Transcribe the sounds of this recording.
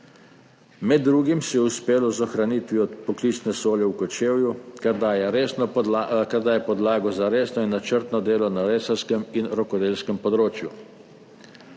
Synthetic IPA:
mɛd̪ːɾuːɡimsɛjɛuspeːlɔzɔxɾanit̪ʋiɔt̪pɔklisnɛsoːljɛwkɔt͡ʃeːwjukd̪ajɛɾ | kaɾd̪aːjɛpɔd̪laːɡɔzaɾeːsnɔinːat͡ʃəɾt̪nɔd̪eːlɔnaɾeːsalskəminɾɔkɔd̪eːlskəmpɔd̪ɾoːt͡ʃju

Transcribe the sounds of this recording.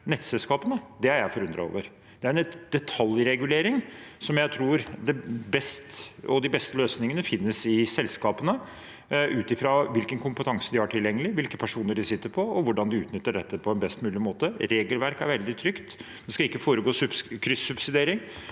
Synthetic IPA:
nɛt̪ːsɛlskɑːpənəd̪ɛhæɾjæɪfɔɾʉnd̪ɾɑ̰o̰ːʋəɾ | d̪̥ɛæɾɛd̪̥ɛt̪ʰɑljɾɛɡʉleːɾɪŋsɔmjæɪt̪ʰɾuːɾd̪ɛbɛst̪ɔd̪ɪbɛst̪əløːsnɪŋənəfɪnːəsɪsɛlskɑːpənə | ʔʉːt̪ɪfɾɑʋɪlkənkʰʊmpət̪ʰɑŋsəd̪ɪhæʈʰɪljɛŋːəlɪʋɪlkəpʰæʂuːnəɖɪsɪt̪ːəɾpʰɔɔʋʊɖɑnd̪ɪʉːt̪nʏt̪ːəɖɛt̪ːəpʰɔɛnbɛst̪mʉːlɪmoːt̪əɾeːɡəlʋæɾkæɾʋɛld̪ɪt̪ʰɾʏkt̪ | d̪̥ɛskɑɪkːəfoːɾəɡoːsʉkʰɾʏsːʉbsɪd̪eːɾɪŋ

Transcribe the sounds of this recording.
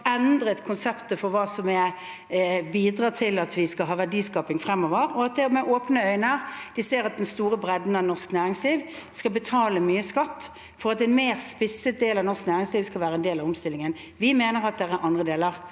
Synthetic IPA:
ɛnd̪ɾət̪kʰʊnsɛpt̪əfɔɾʋɑːsɔmɛ | biːd̪ʁɑːt̪ʰɪlɑt̪ʰʋɪskɑɦɑːʋæɖiːskɑːpɪŋfʁɛmːɔʋəɾɔɑt̪̚d̪ɛmɛʔoːpnəœʏnəʁd̪̥ɪseːɾɑt̪̚d̪ɛnst̪uːɾəbʁɛd̪n̩ɑnɔʁsknæːʁɪŋsliːʋ | skɑlbət̪ʰɑːləmyːəskɑt̪ː | fɔɾɑt̪ɛnmeːʁspɪsət̪̚d̪eːlɑʋnɔʁsknæːʁɪŋsliːʋskɑlʋæːɾəɛnd̪eːlɑʋɔmst̪ɪlɪŋən | ʋɪmeːnəʁɑt̪̚d̪ɛɾæɾʔɑnd̪ʁəd̪eːləʁ

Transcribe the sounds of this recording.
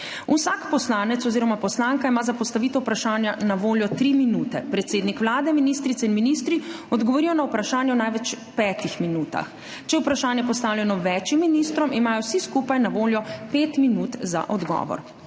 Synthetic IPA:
usakpɔslaːnɛt̪sɔziːɾɔmapɔslaːŋkaimaːzapɔst̪aʋit̪ɔwpɾaʃaːnjanaʋoːljɔt̪ɾiminuːt̪ɛpɾɛt̪seːd̪nikʋlaːd̪ɛminiːst̪ɾit̪sɛinminist̪ɾiɔd̪ɡɔʋɔɾijɔnawpɾaʃaːnjɛwnajʋɛt͡ʃ | pɛːt̪ixminuːt̪a̰x | t͡ʃɛupɾaʃaːnjɛpɔst̪aːwlʲjɛnɔʋɛːt͡ʃimːinist̪ɾɔmimaːjɔwsiskupajnaʋoːljɔpeːt̪minut̪za̰ʔɔd̪ɡɔ̰ːʋɔ̰ɾ

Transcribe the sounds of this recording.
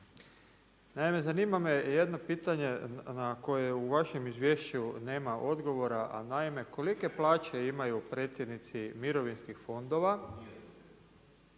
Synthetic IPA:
naime̞zaniːmameje̞d̪no̞piːt̪aɲe̞nako̞jeuʋaʃe̞mizʋje̞ʃt͡ɕune̞ːmaʔo̞d̪ɡo̞ʋo̞ɾaʔa̰naime̞ko̞like̞plˠaːt͡ɕe̞imajupɾe̞ːt̪sʲjed̪nit̪simiɾo̞ʋinskixfo̞nd̪o̞ʋa

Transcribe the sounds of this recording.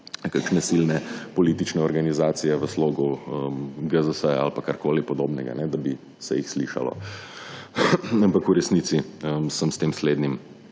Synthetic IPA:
kakʃnɛsilnɛpɔliːt̪it͡ʃnɛɔɾɡanizaːt̪sijɛʋəsloːɡuəmɡəzəsəja̰lpakaɾkoːlipɔd̪oːbnɛɡa̰nɛd̪abi | sɛ̰jixsliːʃa̰lɔ̰ | ampakuɾɛsniːt̪siəmsəmst̪eːmsleːd̪nim

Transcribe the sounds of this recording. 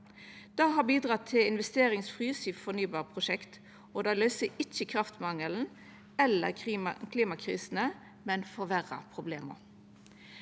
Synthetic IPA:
d̪̥ɑːɦɑːbiːd̪ʁɑːt̪ʰɪlɪnʋɛst̪eːɾɪŋsfʁyːsyfɔnyːbɑːʁpʰʁʊʃɛkt̪ | oːd̪ɑːlœːsəɪçːəkʰɾɑft̪mɑŋəln̩ | ɛlːə̰kʰliːmɑkʰʁḭːsənə | mɛnfɔʋæʁɑ̰pʰʁʊbleːmə̰

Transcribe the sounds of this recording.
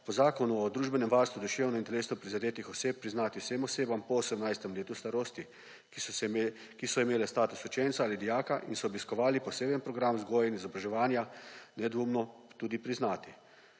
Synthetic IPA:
pɔzaːkɔnuɔd̪ɾuːʒbɛnɛmʋaɾst̪ʋud̪ɔʃeːwnɔint̪ɛleːsnɔpɾizad̪eːt̪ixɔseːp̚pːɾiznaːt̪iwseːmɔseːbampɔosɛmnajst̪ɛmleːt̪ust̪aɾoːst̪i | kisɔimeːlɛst̪aːt̪usut͡ʃent̪saaːlid̪ijaːkaʔinsɔɔbiskɔʋaːlipɔseːbənpɾɔɡɾamzɡɔːjainizɔbɾaʒɛʋaːnjanɛd̪ʋoːmnɔt̪uːd̪ipɾiznaːt̪i

